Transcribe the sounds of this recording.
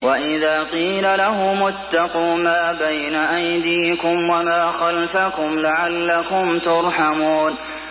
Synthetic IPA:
waʔɪðaːqiːlalahʊmʊt̪ːɑquːmaːbajnaʔajd̪iːkʊmwamaːxalfakʊmlaʕalːakʊmt̪ʊɾˤħamuːn

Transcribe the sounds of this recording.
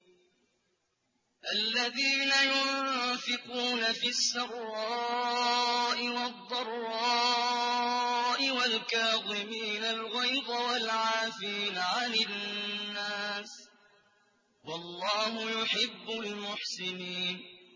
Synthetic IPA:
ʔalːaðiːnajʊnfɪquːnafiːsːɑrˤɾɑ | ʔɪwɑd̪ˤːɑrˤːɑː | ʔɪwalkaːðˤɪmiːnalɣajd̪awalʕaːfiːnʕanɪː | aːs | wɑlˤːɑːhʊjʊħɪbːʊlmʊħsɪniːn

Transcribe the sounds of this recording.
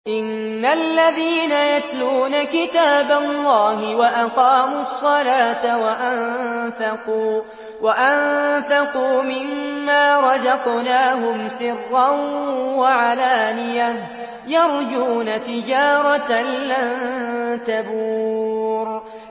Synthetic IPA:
ʔɪnː | alːaðiːnajat̪luːnakɪt̪aːbalˤːɑːhɪwaʔaqɑːmuɑsˤːɑlaːt̪awaʔanθaquː | waʔanθaquːmɪmːaːɾˤɑzɑqnaːɦʊmsɪrːɑnwaʕalaːnɪja | jɑɾˤd͡ʒuːnat̪ɪd͡ʒaːɾˤɑt̪alːant̪abuːɾ

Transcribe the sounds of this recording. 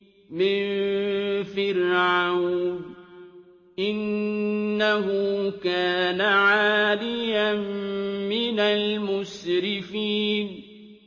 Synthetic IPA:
mɪnn | fɪɾʕʕaw | ʔɪnː | aɦʊkaːnaʕaːlɪjammɪnalmʊsɾɪfiːn

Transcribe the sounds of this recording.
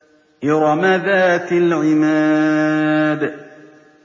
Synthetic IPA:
ʔɑɾˤɑmaðaːt̪alʕɪmaː | d̪

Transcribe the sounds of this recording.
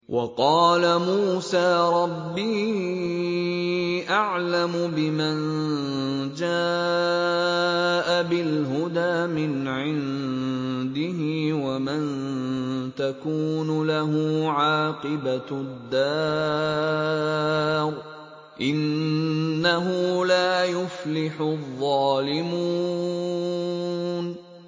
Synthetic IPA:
wʔɑqɑːlamuːsaːɾˤɑbːiː | ʔaʕlamʊbɪman | d͡ʒaː | ʔabɪlɦʊd̪aːmɪn | ʕɪn | d̪ɪhɪːwaman | t̪akuːnʊlaɦʊʕaːqɨbad̪ːa | ɾ | ʔɪnː | aɦʊlaːjʊflɪħʊðˤːɑːlɪmu | n

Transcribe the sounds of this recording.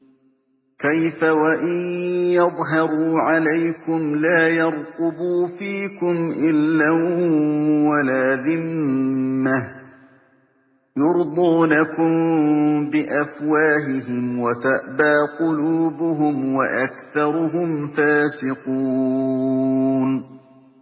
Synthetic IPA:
kajfawaʔɪnjɑðˤɦɑɾˤuːʕalajkʊmlaːjɑɾˤq̪ʊbuːfiːkʊmʔɪlːa | walaːðɪmː | ah | jʊɾd̪ˤuːnakʊmbɪʔafwaːɦɪɦɪmwat̪aʔbaːqʊluːbʊɦʊmwaʔakθɑɾˤʊɦʊmfaːsɪquː | n

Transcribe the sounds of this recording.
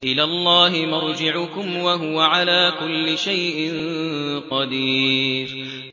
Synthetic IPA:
ʔɪlaːlˤːɑːɦɪmʊɾˤd͡ʒɪʕʊkʊmwaɦʊwaʕalaːkʊlːɪʃajʔɪnnqɑd̪iːɾ

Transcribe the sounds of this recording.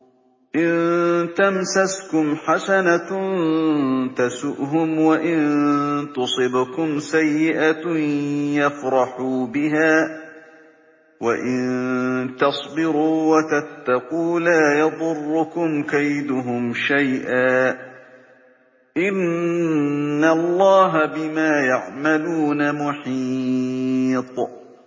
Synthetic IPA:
ʔɪnt̪amsaskʊmħasana | t̪asʊʔɦʊmwaʔɪnt̪ʊsˤɨbkʊmsajːɪʔa | jafɾˤɑħuːbɪɦaː | waʔɪnt̪ɑsˤbɪɾuːwat̪at̪ːaquːlaːjɑðˤʊrˤːʊkʊmkajd̪ʊɦʊmʃajʔaː | ʔɪn | alˤːɑːɦabɪmaːjaʕmaluːnamʊħi | t̪ˤ

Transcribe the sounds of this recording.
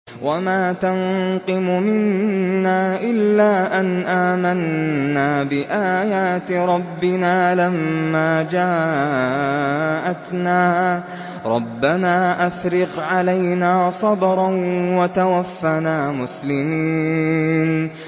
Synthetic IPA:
wʔamaːt̪anqɨmʊmɪnːaːʔɪlːaːʔanʔaːmanːaːbɪʔaːjaːt̪ɾˤɑbːɪnaːlamːaːd͡ʒaː | ʔat̪naː | ɾˤɑ̰bːanaːʔafɾɪɣʕalajnaːsˤɑbɾˤɑnwat̪awafːanaːmʊslɪmiːn

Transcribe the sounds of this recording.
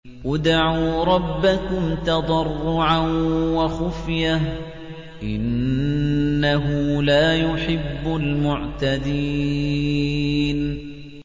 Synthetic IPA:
wad̪aʕuːɾˤɑbːakʊmt̪ɑd̪ˤɑrˤːʊʕawaxʊfjah | ʔɪnː | aɦʊlaːjʊħɪbːʊlmʊʕt̪ad̪i | n

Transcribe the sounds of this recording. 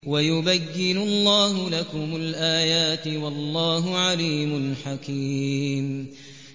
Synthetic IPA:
wajʊbajːɪnʊlˤːɑːɦʊlakʊmʊlʔaːjaːt̪ɪwɑlˤːɑːɦʊʕaliːmʊlħakiːm

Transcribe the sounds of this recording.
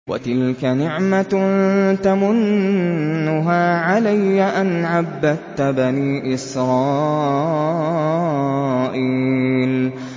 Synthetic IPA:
wa̰t̪ɪlkanɪʕma | t̪amʊnː | ʊɦaːʕalajːaʔanʕabːad̪t̪baniːʔɪsɾˤɑː | ʔiːl

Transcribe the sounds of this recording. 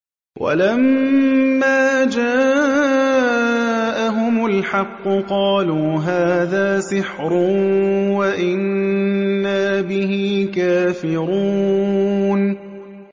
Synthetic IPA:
wʔa̰lamː | aːd͡ʒaː | ʔaɦʊmʊlħɑqːʊqɑːluːɦaːðaːsɪħɾʊ | waʔɪnː | aːbɪhiːkaːfɪɾuː | n

